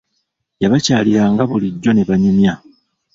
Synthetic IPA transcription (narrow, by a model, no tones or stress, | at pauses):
jaβacaːliɾaːŋɡaβuliɟːo̞ne̞βaɲumja